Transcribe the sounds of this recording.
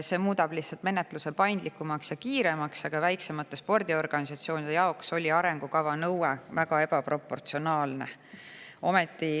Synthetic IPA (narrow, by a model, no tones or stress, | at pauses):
se̞ːmuːd̪̥ɑb̥lihtsːɑlt̪me̞ne̞t̪ˑluse̞pɑjnd̪likːˑumɑksjɑkiːɾe̞mɑksɑɡ̥ɑvæjksemɑt̪ːˑespo̞rd̪̥io̞rɡ̥ɑnisɑt̪sio̞ːnid̪e̞jɑokso̞lʲiɑɾe̞ŋɡ̥ukɑvɑnɤwevæɡ̥ɑe̞bɑpro̞pːˑo̞rt̪sio̞nɑːlne̞ | ʔo̞met̪ːˑi